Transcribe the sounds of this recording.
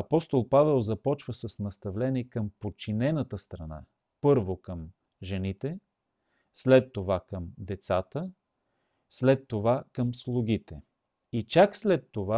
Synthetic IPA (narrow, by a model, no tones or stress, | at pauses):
ɐpɔst̪olˠpavɛlˠzɐpɔt͡ʃvəsəsnɐst̪ɐvlɛniɛkəmpot͡ʃinɛnət̪əst̪ɾɐna̰ | pɤɾvokəm | ʒɛnit̪ɛ | slɛt̪ːovakəmd̪ɛt̪sat̪ə | slɛt̪ːovakəmslˠʊɡit̪ɛ | it͡ʃakslɛt̪ːova